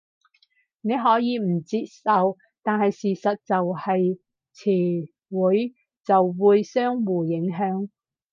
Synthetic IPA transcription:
ne˨˧jɦɔː˨˥jiː˨˧m̩˨˩t͡siː˧˥t̚sɐ˨w | t̪aː˨nɦɐ˨jsiː˨˩sɐ˨t̚t͡sɐ˨whɐ˨j | t͡sʰiː˨˩ | wuː˨˥j | t͡sɐ˨wwuː˨˧jsœː˥ŋwuː˨˩jɪ˨˥ŋɦœː˨˥ŋ

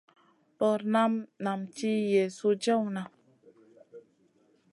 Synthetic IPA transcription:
pə˨ɾna˦mna˨mti˦je˨su˦d͡ʒə˦˨ŋna˨

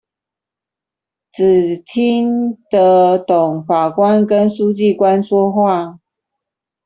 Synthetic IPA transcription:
t͡sɹ̩˨˩t̪ʰi˦˥ŋd̪ə˨t̪o˨˩ŋfa˨˩kwa˦nkə˦nsu˥˧t͡ɕi˥˨kwa˦nʂwɔ˥xwa˥˨

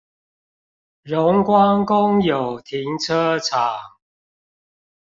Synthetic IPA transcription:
ɻʊ˨˦ŋkwa˦ŋkʊ˦ŋjo˨˩ʊt̪ʰi˨˦ŋʈ͡ʂʰɤ˦ʈ͡ʂʰa˨˩˦ŋŋ

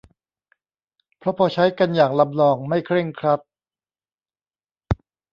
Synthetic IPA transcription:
pʰɾɔ˦˥pʰɔː˧t͡ɕʰa˦˥jka˧njaː˨˩ŋla˧mlɔː˧ŋma˥˩jkʰɾe˥˩ŋkʰɾa˦˥t̪̚

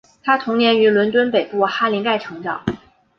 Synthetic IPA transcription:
t̪ʰa˥t̪ʰʊ˧˥ŋnjɛ˧˥ny˧˥lwə˧˥nt̪wə˥npe˨˩ɪpu˥˩xa˥li˧˥ŋka˥˩ɪʈ͡ʂʰɤ˧˥ŋʈ͡ʂɑ˨˩˦ʊ

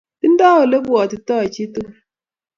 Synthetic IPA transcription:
ti˦n˦da˦o˨le˦bwɔ˨ti˨tɔ˦˨t͡ʃi˦tu˦

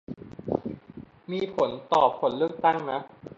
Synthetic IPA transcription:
miː˧pʰo˩˦nt̪ɔː˨˩pʰːo˩˦nlɯ˥˩ək̚t̪a˥˩ŋna˦˥ʔ̚

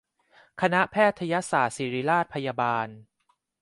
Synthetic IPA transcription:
kʰa˧na˦˥pʰɛː˥˩t̪ʰːa˧ja˦˥saː˨˩˦t̪̚siː˨˩˦ɾiː˦laː˥˩t̪̚pʰa˧ja˧baː˧n

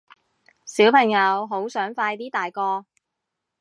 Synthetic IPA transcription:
siː˨˥wpʰɐ˨˩ŋjɐ˨˧˥wɦo˨˥wsœː˨˥ŋfaː˧jt̪iː˥t̪aː˨jkɔː˧

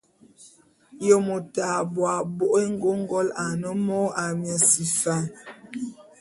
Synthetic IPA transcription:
jə˨mo˨ta˨bwa˨bo˦ʔe˦ŋ˦ɡo˦ŋ˦ɡɔ˦la˨nə˦mɔ˦a˨mjə˨si˨fa˨n

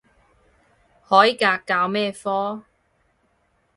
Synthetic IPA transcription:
hɔː˨˥jkaː˧kːaː˧wmɛː˥˧fɔː˥

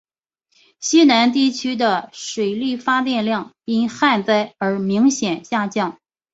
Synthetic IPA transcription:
ɕi˥na˧˥nt̪i˥˩t͡ɕʰy˥d̪ə˨ʂwe˨˩ɪli˥˩fa˥t̪jɛ˥˧nljɑ˥˩ŋ | i˥nxa˥˧nt͡sa˥˩ɪə˞˧˥mi˧˥ŋɕjɛ˨˩nɕja˥˧t͡ɕjɑ˥˩ŋ

